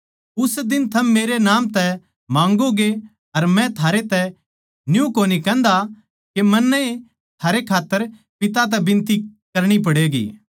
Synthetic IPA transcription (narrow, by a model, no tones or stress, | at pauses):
ʊsd̪ɪnt̪ʰɐmːeːɾenãːmt̪ɛ | mãːŋɡoɡe | ɐɾmɛ̃t̪ʰaːɾet̪ɛ | njũkoːnikɛ̃ːnd̪a | kemɐnːəi | t̪ʰaːɾekʰaːt̪ːəɾ | pɪt̪̬at̪̬ɛbɪ̃nt̪ikɐɾɽ̃ip̬ɐɽeːɡḭː